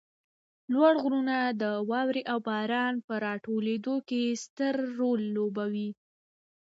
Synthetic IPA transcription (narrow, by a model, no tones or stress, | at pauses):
lwaɽɣɾunad̪əwɑwɾeʔawbɑɾɑnpəɾɑʈoled̪okest̪əɾːolːobawi